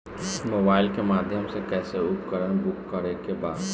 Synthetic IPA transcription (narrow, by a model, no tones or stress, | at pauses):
moːbaːɪlkemaːd̪ʱjəmsekɛːseʊp̚ːəɾəñbʊkːəɾekebaːd̪